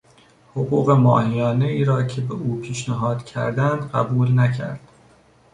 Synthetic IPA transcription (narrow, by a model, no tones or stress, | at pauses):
hoɣuːɣe̞mɒ̰ːhijɒːne̞iːɾɒːcʰebeʔuːpʰiːʃnæɦɒːd̪̥cʰæ̰ɾd̪ænd̪ɢæ̰buːlnæcʰæ̰ɾd̪̥